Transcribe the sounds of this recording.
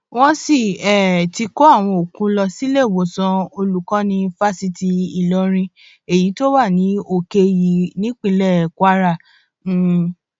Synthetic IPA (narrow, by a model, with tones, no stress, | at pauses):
wɔ̃˦si˦˨ɛ˨ti˧ko˦a˦˨w̃ɔ̃˧o˨kũ˦lɔ˧si˦le˦˨wo˨˦sɔ̃˧o˧lu˦kã˦nĩ˧fa˦si˧ti˧i˨lɔ˨˧ɾ̃ĩ˧ | e˨ji˨˦to˦wa˦˨nĩ˨˦o˦˨ke˧ji˨˦nĩ˦k͡pĩ˧lɛ˦˨kwa˦ɾa˦˨˦